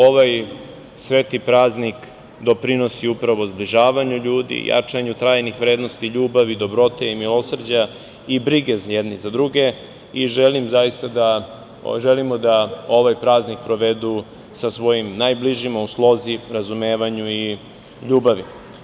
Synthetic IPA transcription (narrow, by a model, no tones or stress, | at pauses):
o̞ʋaj | sʋeːt̪ipɾaːznik | d̪o̞pɾino̞siupɾaʋo̞zbliʒaːʋaɲuʎuːd̪ḭja̰t͡ʂaɲut̪ɾaːjnixʋɾeːd̪nost̪iʎuːbaʋid̪o̞bɾo̞t̪eimilˠo̞sr̩d͡ʑa | ibɾiɡezjed̪nizad̪ɾuɡe̞ | iʒelimzajist̪ad̪a | ʒelimod̪ao̞ʋajpɾaːznik̚pɾo̞ʋe̞d̪u | sasʋo̞jimnajbliʒimauslˠo̞ziɾazumeːʋaɲui | ʎuːbaʋi